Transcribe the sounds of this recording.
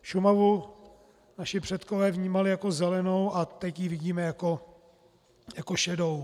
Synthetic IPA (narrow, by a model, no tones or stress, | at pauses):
ʃumavu | naʃɪpr̥ɛt̪ko̞vɛːvɲiːmalɪjako̞zɛlɛno̞wʔat̪ɛcjivɪɟiːmɛjako̞ | jakoʃɛdo̞w